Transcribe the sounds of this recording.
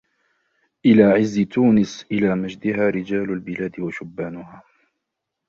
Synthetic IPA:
ʔɪlaːʕɪzːɪt̪uːnɪsʔɪlaːmad͡ʒd̪ɪɦaːɾɪd͡ʒaːlʊlbɪlaːd̪ɪwaʃʊbːaːnʊɦaː

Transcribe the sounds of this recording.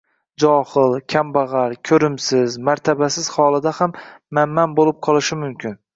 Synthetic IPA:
d͡ʒɒhɪlˠkʲʰambaʁaɾkʲʰɵɾɪmsɪzmaɾt̪ʰabasɪz̥hɒlˠɪd̪ahamːamːanbolɪp̚qʰɒlˠɪʃɪmʊmkʲʰɪn

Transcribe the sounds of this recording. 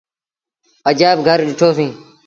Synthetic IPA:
əd͡ʒaːb̚ɡʱəɾɗɪʈʰoːsĩː

